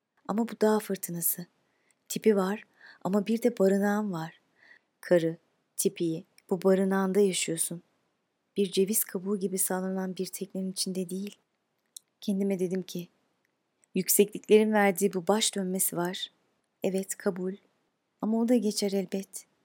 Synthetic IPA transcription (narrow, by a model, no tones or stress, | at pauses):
a̰mabud̪aːfɯɾt̪ʰɯnasɯ | t̪ʰipivaɾ̥ | a̰mabiɾd̪ɛbaɾɯnaːnvaɾ̥ | kʰaɾɯ | t̪ʰipʰiji | b̥ubaɾɯnaːnd̪ajaʃɯjo̞sun | b̥iɾd͡ʒe̞viskʰabulʲɟibisaːlˠananbiɾt̪ʰɛclʲeɾinit͡ʃʰind̪ɛd̪ejilʲ | cʰɛnd̪imɛd̪e̞d̪imcʰi | jycsɛclʲiclʲe̞ɾinvæɾd̪iːbubaʃd̪̥ø̞nme̞sivaɾ̥ | ɛvɛt̪kʰabulʲ | amaod̪aɟe̞t͡ʃʰɛɾɛlʲbɛt̪